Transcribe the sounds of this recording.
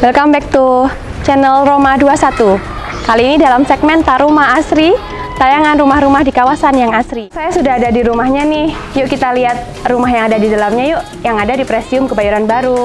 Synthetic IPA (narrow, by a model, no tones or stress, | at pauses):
bəlkambɛk̚t̪u | t͡ʃɛnəlromaduasat̪u | kaliːnidalamsɛɡ̚mɛnt̪aɾumaɦasɾi | t̪ajaŋanrumahɾumahdikawasanjaŋasɾisajasudaɦadadiɾumahɲanɪh | jʊʔkit̪aliɦat̪̚ | rumaɦjaŋadadidalamɲajʊʔ | jaŋadadipɾɛsiʊmkəbajuɾanbaɾu